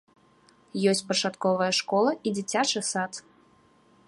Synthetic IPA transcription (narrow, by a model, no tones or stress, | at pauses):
jɔsʲt͡sʲpɐt͡ʂat̪kɔvɐjɐʂkɔlˠɐid͡zʲit͡sʲat͡ʂɨsat̪